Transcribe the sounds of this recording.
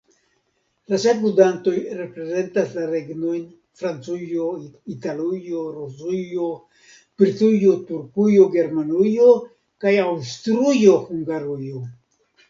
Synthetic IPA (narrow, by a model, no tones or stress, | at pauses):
lasekmudanto̞jɾe̞pɾe̞ze̞ntaslaɾe̞ɡno̞jn | fɾant͡sujo̞italujoɾusujo | pɾtujo̞tuɾkujo̞ɡe̞ɾmanujo̞ | kajawstɾujo̞huŋɡaɾujo̞